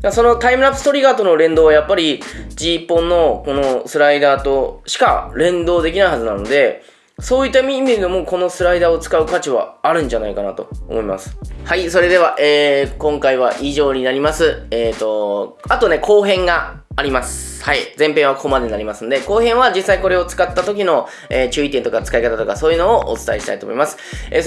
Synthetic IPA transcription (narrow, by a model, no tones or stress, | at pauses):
maso̞no̞t̪aimɯ̟ɾapːɯ̥st̪oɾʲiɡaːt̪o̞no̞ɾẽ̞nd̪o̞ːβajapːaɾʲid͡ʑiːpːõ̞nːo̞ko̞no̞sɨɾaid̪aːt̪o̞ɕi̥ka̰ɾẽ̞nd̪o̞ːd̪e̞kʲinaiɦazɨnano̞d̪e̞ | so̞ːjit̪ːamʲimiɾinomoko̞no̞sɨɾaid̪aːo̞t͡sɨ̥kaɯ̟kat͡ɕiβa̰ːɾɯ̟̃ɲ̟d͡ʑanaikana̰t̪o̞̰ːmo̞ima̰sɨ̥haiso̞ɾe̞d̪e̞βaʔeːkõ̞ŋkaiβ̞aʔiʑo̞ːɲ̟inaɾʲimasɨeːt̪o̞ | at̪o̞ne̞kʰo̞ːɦẽ̞ŋɡaː | ɾʲimasɨ̥ | haid͡zẽmpeɰ̃βakomad̪e̞ɲ̟inaɾʲimasɨ̃nod̪e̞ko̞ːɦẽ̞ɰ̃βad͡ʑisːaiko̞ɾe̞o̞t͡sɨ̥kat̪ːat̪o̞kʲino̞ | eːt͡ɕɨːit̪ent̪okat͡sɨ̥kaikat̪at̪okaso̞ːjiɯ̟no̞ːʔo̰t͡sɨ̥t̪aeɕi̥t̪a̰it̪o̞mo̞̰imasɨ̥e